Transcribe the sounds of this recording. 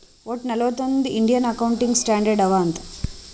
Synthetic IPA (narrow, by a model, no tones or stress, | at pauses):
oːʈnɛlɐʋɐt̪ond̪iiɳɖijɐnɐkɐwuɳʈiŋɡsʈaːɳɖɐɾɖɐʋaːnt̪ɐ